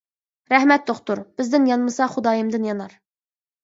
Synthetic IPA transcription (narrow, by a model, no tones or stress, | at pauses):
ɾɛɦmɛt̪̚d̪oχt̪uɾb̥ɪzd̪ɪnjɑnmɨsɑχud̪ɑːjɨmd̪ɪnjɑnɑɾ